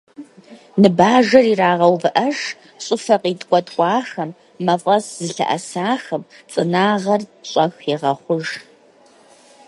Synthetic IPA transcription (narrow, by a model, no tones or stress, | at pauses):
nɨbaːʒɐriraːʁɐwvɨʔɐʂ | ɕʼɪfɐqiːtʼkʷʼɔtʼkʷʼɑːxɐmː | ɐfʼɐsz̥ɨɬɐ̰ʔɐ̰saːxɐmt͡sʼɨnaːʁɐrɕʼɐxiʁɐχʷʊʒ